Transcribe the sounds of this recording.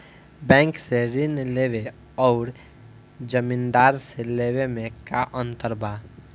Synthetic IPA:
bɛ̃ːŋkseɾɪnleːʋe | ɔːɾ | d͡ʒəmĩnd̪aːɾseleːwemẽkaʔə̃nt̪əɾbʱaː

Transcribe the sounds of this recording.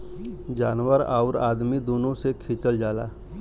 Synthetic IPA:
d͡ʒaːnwəɾa̰ːʊɾa̰ːd̪mid̪oːnõsekʰɪt͡ʃəld͡ʒaːla̰ː

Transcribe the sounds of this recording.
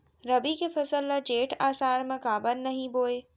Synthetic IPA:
ɾɐbikʰefɐsəlːɐd͡ʒeːʈaːsaːɾmãkaːbənːɐɦĩboːe

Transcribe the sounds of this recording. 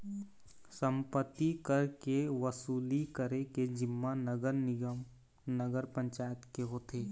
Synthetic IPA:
sə̃mpət̪ːikəɾkeʋəsuːlikəɾeked͡ʒɪmːanəɡəɾnɪ | nəɡəɾpə̃ɲt͡ʃaːjət̪keɦoːt̪ʰeː

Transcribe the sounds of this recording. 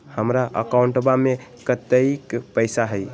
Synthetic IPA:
həmɾaʔə̰kauɳʈbamekət̪əɪkpəɪsaɦəj

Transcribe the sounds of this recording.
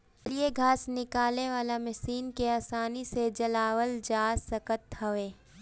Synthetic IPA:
lieɡʱaːsnɪkaːleʋaːlamɛsiːnkeaːsaːnised͡ʒɐlaːwəld͡ʒaːsɐkət̪ɦɐʋeː

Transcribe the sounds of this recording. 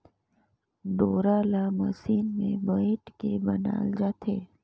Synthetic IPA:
ɖoɾalaməsinmẽbəiʈkebəna̰ld͡ʒat̪ʰe

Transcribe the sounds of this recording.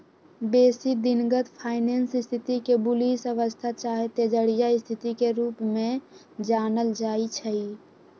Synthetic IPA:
beːsid̪ɪnɡət̪pʰaːɪneːnsɪst̪ʰɪt̪ikebʊlisəʋəst̪ʰat͡ʃaːɦet̪ed͡ʒəɽijaɪst̪ʰɪt̪ikeɾuːpmẽ | d͡ʒaːnəld͡ʒaːit͡ʃʰəi

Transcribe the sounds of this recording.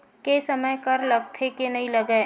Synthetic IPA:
kesɐməjkɐɾlɐɡ̚t̪ʰekenɐɦĩlɐɡə

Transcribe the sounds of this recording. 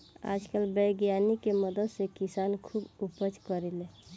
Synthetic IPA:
a̰d͡ʒkəlbəjɡjanikeməd̪əd̪sekisankʰubupəd͡ʒkəɾele

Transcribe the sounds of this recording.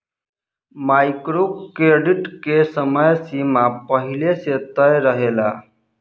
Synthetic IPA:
majkɾokɾeɖiʈkesəməjsimapəɦileset̪əjɾəɦela

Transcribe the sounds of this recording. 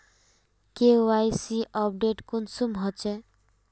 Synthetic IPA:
keoajsiʔɔp̚ɖeʈkunsumɦɔt͡ʃe

